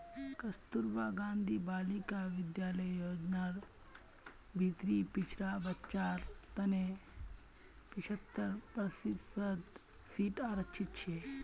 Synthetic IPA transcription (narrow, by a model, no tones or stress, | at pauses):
kɐst̪uɾbaːɡãːnd̪ʱiːbaːlikaʋɪd̪jaːləjːoːd͡ʒnaːɾ | bʱit̪ɾipɪt͡ʃʰɾabɐtt͡ʃaːɾt̪ɐne | pɪt͡ʃʰət̪ːəɾpɐsisəd̪ | siːʈaːɾəkt͡ʃʰɪt̪̚t͡ʃʰe